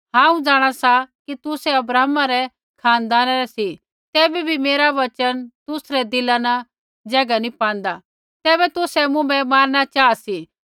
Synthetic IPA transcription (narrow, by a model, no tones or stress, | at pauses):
ɦãːũd͡zaːɽ̃asakit̪ʊsɛɐbɾaːɦmaɾɛ | kʰaːnd̪aːnaɾɛsi | t̪ɛːbibʱimeːɾaʋɐt͡ʃənt̪ʊsɾɛd̪ɪlana | d͡ʒɐɡanĩpãːn̆d̪a | t̪ɛːbɛt̪ʊsɛmʊ̃bɛmaːɾnat͡ʃaːasi